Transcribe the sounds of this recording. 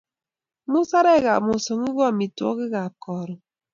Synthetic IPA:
mu˦sa˦ɾɛ˦˨ɣa̰˨mu˨sɔ˨ŋi˦ɣɔ˦a˦˨mi˨tɔ̰˦ɣi˦ɣa˨kɔː˨ɾɔ˨

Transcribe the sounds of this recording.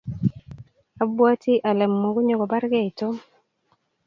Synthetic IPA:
a˨bwa˦ti˦ʔa˨lɛ˨mːo˨ɡo˦ɲo˦˨ɡɔ˨ba˦ɾɡɛ˦i˨to˦

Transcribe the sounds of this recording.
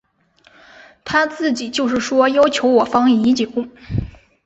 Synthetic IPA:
t̪ʰa˥t͡sɹ̩˥˩t͡ɕi˨˩t͡ɕjo˥˧ʊʂ̬ɻ̩˥˩ʂwɔ˥jɑ˥ʊt͡ɕʰjo˧˥ʊwɔ˨˩fɑ˥ŋi˧˥t͡ɕi˨˩kʊ˥˩ŋ

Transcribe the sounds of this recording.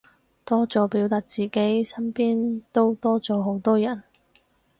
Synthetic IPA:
t̪ɔː˥t͡sɔː˨˥piː˨˥wt̪aː˨t̚t͡siː˨ke˨˥jsɐ˥npiː˥nt̪o˥wt̪ɔː˥t͡sɔː˨˧˥ɦo˨˧˥wt̪ɔː˥jɐ˨˩n

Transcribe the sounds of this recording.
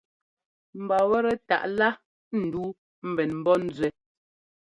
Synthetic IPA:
m̩˨ba˨wɛ˦ɾɛ˨ta̰˨ʔla˦ | n̩˨duː˦ | m̩˦˨bɛ˨nm̩˨bɔ˦n̩˦zɥɛ˨

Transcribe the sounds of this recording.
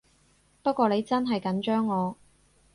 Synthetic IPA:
pɐ˥t̚kʷɔː˧le˨˧jt͡sɐ˥nɦɐ˨jkɐ˨˥nt͡ʃœː˥ŋːɔː˨˧

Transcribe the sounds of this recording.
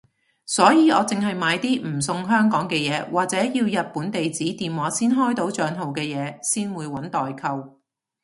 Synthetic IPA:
sɔː˨˥jiː˨˧ɔː˨˧t͡sɪ˨ŋɦɐ˨jmaː˨˧jt̪iː˥m̩˨˩sʊ˧ŋɦœː˥ŋkɔː˨˥ŋkɛː˧jɛː˨˧waː˨k̚t͡sɛː˨˥jiː˧wjɐ˨t̚puː˨˥nt̪e˨jt͡siː˨˥t̪iː˨mwaː˨˧˥siː˥nɦɔː˥jt̪o˨˥wt͡ʃœː˨˧nɦo˨wkɛː˧jɛː˨˧siː˥nwuː˨˧jwɐ˨˥nt̪ɔː˨jkʰɐ˧w

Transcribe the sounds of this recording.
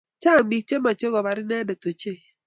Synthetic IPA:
t͡ʃa˦˨mi˨k̚t͡ʃe˦ma˨t͡ʃe˦ɡɔ˨ba˨ɾɪ˦nɛ˦dɛ˨to˨t͡ʃe˦˨

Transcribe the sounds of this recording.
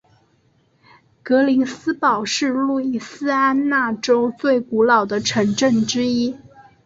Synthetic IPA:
kɤ˧˥li˧˥sɹ̩˥pɑ˨˩ʊʂɻ̩˥˧lu˥˩i˥˩sɹ̩˥a˥nna˥˩ʈ͡ʂo˥ʊt͡swe˥˩ɪku˧˥lɑ˨˩ʊd̪ə˦ʈ͡ʂʰɤ˧˥ŋʈ͡ʂə˥˩ŋʈ͡ʂɻ̩˥i˥

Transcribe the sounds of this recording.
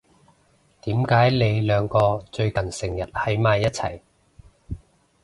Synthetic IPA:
t̪iː˨˥mkaː˨˥jle˨˧jlœː˨˧ŋkɔː˧t͡ʃɵ˧ɥkɐ˨˩nsɪ˨˩ŋjɐ˨˩t̚hɐ˨˥jmaː˨˧jːɐ˥t̚t͡sʰɐ̰˨˩j

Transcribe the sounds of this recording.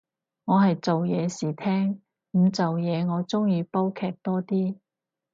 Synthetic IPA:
ŋɔː˨˧ɦɐ˨jt͡so˨wjɛː˨˧siː˨˩t̪ʰɛː˥ŋ | m̩˨˧t͡sɐ˨wjɛː˨˧ŋɔː˨˧t͡sʊ˥ŋjiː˨˧po˥wkʰɛː˧k̚t̪ɔː˥t̪iː˥

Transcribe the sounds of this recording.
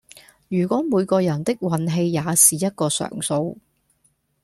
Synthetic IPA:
jyː˨˩kʷɔː˨˥muː˨˧jkɔː˧jɐ˨˩nt̪ɪ˥k̚wɐ˨˥nɦe˧jːaː˨˧siː˨˩jɐ˥t̚kɔː˧sœ̰ː˨˩ŋso˧w

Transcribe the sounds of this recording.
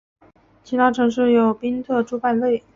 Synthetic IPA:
t͡ɕʰi˧˥t̪ʰa˥ʈ͡ʂʰɤ˧˥ŋʂ̬ɻ̩˥˩jo˨˩ʊpi˥ŋt̪ʰɤ˥˧ʈ͡ʂu˥pa˥˧nwe˥˩ɪ

